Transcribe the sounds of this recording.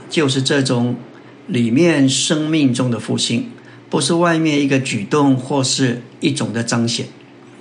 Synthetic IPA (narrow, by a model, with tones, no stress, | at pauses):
t͡ɕjo˥˧ʊʂ̬ɻ̩˥˧ʈ͡ʂɤ˥˩ʈ͡ʂʊ˨˩˦ŋ | li˨˩mjɛ˥˩nʂɤ˥ŋmi˥˩ŋʈ͡ʂʊ˥ŋd̪ə˨fṵ˥˩ɕi˥n | pu˧˥ʂ̬ɻ̩˥˧wa˥˧ɪmjɛ˥˧ni˥˩ɡə˧t͡ɕy˨˩t̪ʊ˥˧ŋxwɔ˥˧ʂɻ̩˥˧ | i˥˩ʈ͡ʂʊ˨˩ŋd̪ə˦ʈ͡ʂɑ˥ŋɕjɛ̰˨˩˦n